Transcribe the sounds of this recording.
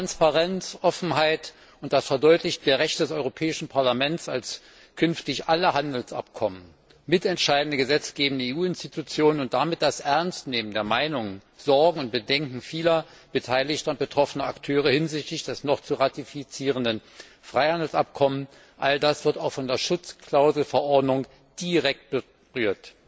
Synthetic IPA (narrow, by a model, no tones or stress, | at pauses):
ʁanspaʁɛnt͡sʔɔfn̩ɦaɪt | ʊntd̥asfɛɐdɔʏtlɪçtd̥eːɐʁɛçtədɛsɔʏʁopʰɛːɪʃn̩pʰaɐlamɛntsals | kʰʏnftɪçʔaləɦandl̩sʔa̰p̚kʰɔmən | mɪtɛntʃaɪdn̩dəɡəzɛt͡sɡ̥eːbn̩dəeːuːɪnstitʰut͡sjoːnənʊntd̥amɪt̚d̥asʔɛɐnstneːməndeːɐmaɪnʊŋənz̥ɔɐɡŋ̩ʊnt̚b̥ədɛŋkŋ̩fiːlɐ | b̥ətʰaɪlɪçtɐʊnt̚b̥ətʁ̥ɔfənəaktʰøːʁ̞əhɪnzɪçtɪçd̥ɛsnɔχt͡suʁatifit͡siːʁ̞əndən | fʁ̥aɪhandl̩sap̚kʰɔmən | ʔaldasv̥ɪɐtaʊxfɔndeːɐʃʊt͡skʰl̥aʊzl̩fɛɐʔɔɐdnʊŋ | d̥iʁɛk̚t̚b̥ə | ʁyːɐt